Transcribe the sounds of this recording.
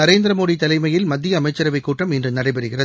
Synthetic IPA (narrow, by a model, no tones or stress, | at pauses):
ɐɾeːnd̪ɪɾɐmoːðit̪ːɐlɐɪmɐjɪlmɐd̪ːɪjɐːmɐɪt͡ʃːɐɾɐʋɐɪkːuːʈːɐmɪndrɯnɐɽɐɪpɐɾɯɣɪrɐð